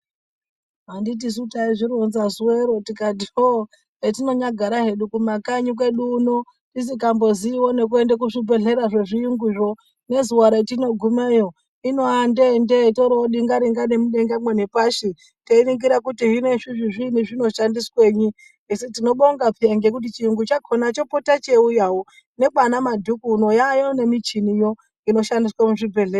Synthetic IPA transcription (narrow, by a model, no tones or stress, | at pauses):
ɦandit̬is̬utaiʐiɾonzazuweɾotikatio | etino̞ɲaɡʱaɾaɦe̞ɗukumakaɲikwe̞ɗuːno | tis̬ikambo̞ziːwo̞ne̞k̬ue̞ndek̬uʐibe̞ɮe̞ɾaʐe̞ʐijiŋɡuʐo̞ | ne̞zuwaɾatino̞ɡʱumeːjo̞ | inoandendeitoɾoɗiŋɡaɾiŋɡanemuɗe̞ŋɡamwenepaʃi | teiɾiŋɡiɾakutiɦine̞ʐiʐiʐiniʐino̞ʃandiswe̞ɲi | esitino̞ɓo̞ŋɡapeŋɡe̞kut̬it͡ʃijuŋɡut͡ʃakʰonat͡ʃo̞potat͡ʃe̞ujawo | ne̞kanamadʱukuːno̞jajo̞ne̞mit͡ʃinijo̞ | ino̞ʃandiswamuʐibʱe̞ɮeːɾa